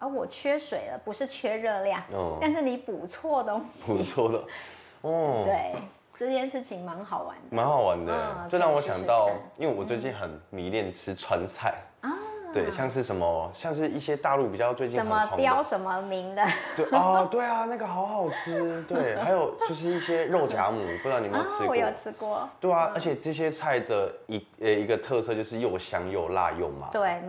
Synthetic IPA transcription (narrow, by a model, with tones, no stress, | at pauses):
ə˥wɔ˨˩t͡ɕʰɥɛ˥ʂwe˨˩ɪlə˦pu˧˥ʂɻ̩˥˩˧t͡ɕʰɥɛ˥ɻɤ˥˧ljɑ˥˨ŋɔ˧˩a˥˧nʂɻ̩˥˩ni˧˥pu˨˩t͡sʰwɔ˥˩d̪ə˧˥pu˨˩t͡sʰwɔ˥˩d̪ə˩ | ɔ˥˩t̪we˥˩ɪ | ʈ͡ʂɤ˥˧t͡ɕjɛ˥˧nʂɻ̩˥˩t͡ɕʰi˧˥ŋma˧˥nxɑ˨˩ʊwa̰˧˥nma˧˥nxɑ˨˩ʊwa˧˦nd̪ə̰˧˩ə˥˧˥a˥˩ŋwɔ˧˦ɕjɑ̰˨˩ŋt̪ɑ˥˩ʊi˥nwe˥˩wɔ˨˩t͡swe˥˧ɪt͡ɕi˥˩nxə˨˩nmi˨˥˦ljɛ˥˩nʈ͡ʂʰɻ̩˥t͡sʰwa˧˦nt͡sʰa˥˩ɪ | ɐ˥˩we˥˩ɪɕjɑ˥˧ŋʂ̬ɻ̩˥˩ʂə˧˦˥nmə˧ɕjɑ˥˧ŋʂ̬ɻ̩˥˧i˥˩ɕjɛ˦t̪a˥˧lu˥˩pi˨˩t͡ɕjɑ˥˧ʊt͡swe˥˧ɪt͡ɕi˥˨n˨mə˧˨˧t̪jɑ˥˦ʊʂə˧˦nmə˧mi˧˥ŋd̪ə˧t̪we˥˩ɪɔ˥˨˩t̪we˥ɪa˨na˥˩ɡə˨˩xɑ˧˥ʊxɑ˨˩ʊt͡s̩ʰ˥t̪we˥˩ɪha˧˥ɪjo˨˩ʊt͡ɕo˥˧ʊʂ̬ɻ̩˥˧i˥˩ɕjɛ˥ɻo˥˩ʊt͡ɕja̰˧˥mu˨˩pu˥˧ɻa˥˩ŋni˨˩mə˨nt͡sʰɻ̩˧˥˧jo˥˩ʊt͡sʰɻ̩˥kwɔ˥˩t̪we˥˩ɪa˩ə˧˥t͡ɕʰjɛ˨˩ʈ͡ʂɤ˥˧ɕ̬jɛ˦t͡sʰa˥˩ɪd̪ə˩i˧˦˨ | i˧˥ɡə˧t̪ʰɤ˥˧sɤ˥˧t͡ɕjo˥˧ʊʂɻ̩˥˧jo˥˩ʊɕjɑ˧˥ŋjo˥˧ʊla̰˥˧jo̰˥˩ŋma̰˨˩t̪we˥˩ɪ